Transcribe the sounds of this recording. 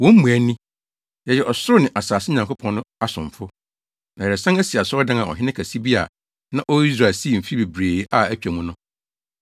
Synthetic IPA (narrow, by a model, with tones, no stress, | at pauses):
wɔ̃˦m̩˦mũ˨æ˨nĩ˦ | jɛ˨jɛ˨ɔ˨sʊ˦ɾʊ˦nɪ̃˨ʔa˨saː˨sɪ˦ɲã˨ŋkʊ˦pʰɔ̃˦nːʊ̃˦a˦sʊ̃˨ɱ˨fʊ˦ | nã˨jɛ˨ɾɛ˨sã˦næ˦si˨a˨sʊ˦ɔ˦dã˦nã˨ɔ̰˨ɦɪ̃˦nɪ̃˦kʰæ˨si˦bi˦a̰˨ | nã˦ʔɔ˦i˦s̬ɾaː˨lsi˦˨m̩˨fi˦be˨bɾeː˨˦ʔa˦˨æ˦t͡ɕᶣæ˨mũ˦nʊ̃˦